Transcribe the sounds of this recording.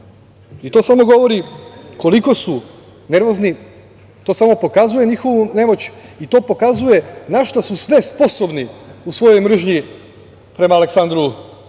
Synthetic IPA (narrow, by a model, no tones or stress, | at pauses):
it̪o̞ːsamo̞ɡo̞ʋo̞ɾiko̞liko̞su | ne̞ɾʋo̞zni | t̪o̞ːsamo̞po̞kazuje̞ɲixo̞ʋune̞mo̞t͡ɕit̪o̞ːpo̞kazuje̞naʃt̪asusʋe̞spo̞so̞bniusʋo̞jo̞jmr̩ʒɲi | pɾe̞maːleksand̪ɾu